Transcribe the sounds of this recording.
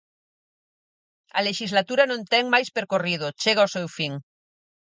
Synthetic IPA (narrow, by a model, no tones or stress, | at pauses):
ɐ̰leʃizlat̪uɾanõnt̪ɛŋmajspeɾkorið̞ot͡ʃeɣ̞aosewfiŋ